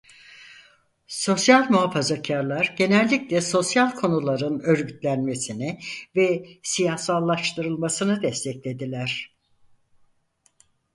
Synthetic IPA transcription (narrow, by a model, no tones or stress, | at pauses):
so̞sjalʲmuɦafazacʰaɾlˠaɾɟe̞nɛlʲːiclʲɛso̞sjalʲkʰo̞nulˠaɾɯnø̞ɾɟyt̪lʲænme̞sinɪvɛsijahsalˠːaʃt̪ʰɯɾɯlˠmasɯnɯd̪ɛst̪ʰɛclʲe̞d̪ilʲæɾ̝̥